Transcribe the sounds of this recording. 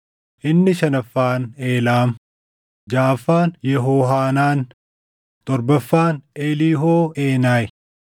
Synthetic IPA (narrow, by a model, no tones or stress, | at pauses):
ʔɪnːɪʃɐnɐfːaːne̞ːlaːm | d͡ʒaːfːaːnjɛɦoːɦaːnaːn | t̪ʼɔɾbɐfːaːneːliːɦoːeːnaːj